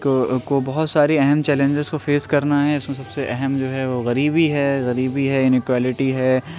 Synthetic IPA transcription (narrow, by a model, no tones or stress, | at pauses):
kokobɐɦʊt̪saːɾiɛɦɛmt͡ʃɛːlẽɲd͡ʒɪzkofeːskɐɾnaɦɛɪsmẽsɐbseʔɛɦɛmd͡ʒoːɦɛʋoɣɐɾiːbiɦɛːɣɐɾiːbiɦɛɪnɪkwaːlɪʈiɦɛː